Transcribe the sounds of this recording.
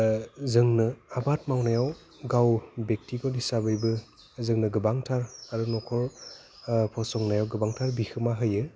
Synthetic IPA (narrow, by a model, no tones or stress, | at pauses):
zɯŋnɯabat̚mawnajaw | ɡawbek̚tikɔlisabɯjbɯ | zɯŋnɯɡɯbaŋtʰaɹaɹunɔkʰɔl | pʰɔsɔŋnajawɡɯbaŋtʰaɹbixɯmaɦɯjɯ